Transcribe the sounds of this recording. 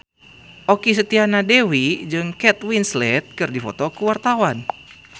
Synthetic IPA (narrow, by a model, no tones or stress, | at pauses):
ʔokis̬ət̪ianadewid͡ʒɨŋkɛt̪winslɛt̪̚kɨrdifɔ̰t̪ɔkuwart̪awan